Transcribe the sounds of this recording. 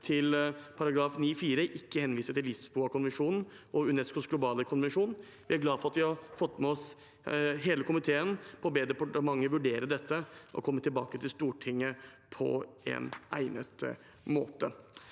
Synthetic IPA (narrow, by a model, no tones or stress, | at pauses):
t̪ʰɪlpʰɑɾɑɡɾɑːfniːfiːɾəʔɪkːəhɛnʋiːsəʈɪlɪsbuːɑkʰʊnʋɛnʂuːnn̩ | ʔɔʉnɛskʊsɡlʊbɑːləkʰʊnʋɛnʂuːn | ʋɪɑɾɡlɑːfɔɾɑt̪ʋɪhɑɾfɔt̪ːmɛɔs | ɦeːləkʰʊmɪt̪ʰeːənpʰɔbeːd̪ɛpʊʈəmɑŋːəʋʉɖeːɾəɖ̪ɛt̪ːəʔɔ̰kʰɔmːət̪ʰɪlbɑ̰ːkət̪ʰɪlst̪uːʈʰɪŋːə | pʰɔ̰ɛ̰næ̰ɪnə̰t̪ | mo̰ːt̪ə